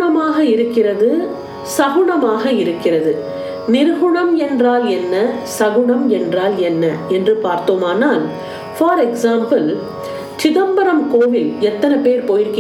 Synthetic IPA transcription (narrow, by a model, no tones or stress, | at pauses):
ɐmaːɣɐɪɾɯkːɪrɐðɯ | sɐɣʊɳɐmaːɣɐɪɾɯkːɪrɐðɯ | nɪɾɣʊɳɐmɛndraːlɛnːɐsɐɣʊɳɐmɛndraːlɛnːɐɛndrɯpaːɾt̪oːmaːnaːl | faːɾɛksaːmpɐl | t͡ʃɪðɐmbɐɾɐmkoːʋɪlɛt̪ːɐnɐpeːɾpɔjɪɾkɪ